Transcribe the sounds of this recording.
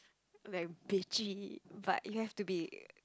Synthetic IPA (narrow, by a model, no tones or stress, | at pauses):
laɪk̚bit͡ʃiba̰ʔjuhɛftubi